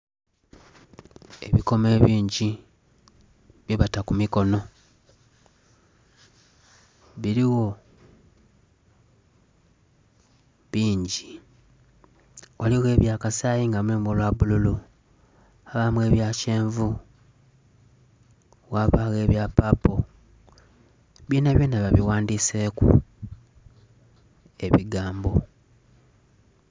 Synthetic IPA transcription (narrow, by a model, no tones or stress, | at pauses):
e̞̰βiko̞me̞βiːɲɟi | βjiβatakumiko̞no̞ | βiɾiwo̞ | βiːɲɟi | waliɣe̞ːβjaːkasaːjiŋɡamweːmolwaβululu | aβamwe̞βjaːceːɱvu | waβaɣe̞ːβjapapo | βjiːnaβjeːnaβaβiwaːndiːse̞ːkṵ | e̞βiɡaːmbo̞